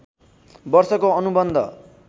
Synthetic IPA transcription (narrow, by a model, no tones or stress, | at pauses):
bʌrsʌkoʌnubʌnd̪ʱʌ̰